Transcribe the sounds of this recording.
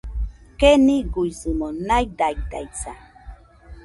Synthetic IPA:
keniɡujsɨmonajd̪ajd̪a̰jsa

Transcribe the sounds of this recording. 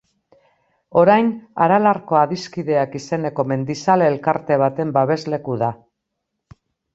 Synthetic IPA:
o̞ɾajna̰ɾalaɾko̞aðiskiðe̞akise̞ne̞ko̞me̞nd̪isaleːlkaɾt̪e̞β̞at̪e̞mbaβ̞e̞zle̞kuða

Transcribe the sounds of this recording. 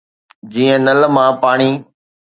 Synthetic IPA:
d͡ʑiːə̃nɐlmãːpaːɽ̃iː

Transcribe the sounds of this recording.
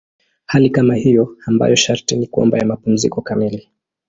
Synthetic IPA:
halikamahijɔamba̰jɔʃaɾtinikuɔ̰mbajamapum̩zḭkɔkamili

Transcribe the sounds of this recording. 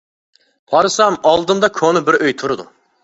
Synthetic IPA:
pʰɑɾɨsɑmɑlˠd̪ɨmd̪ɑkʰonɨbɪɾøjt̪ʰuɾɨd̪u

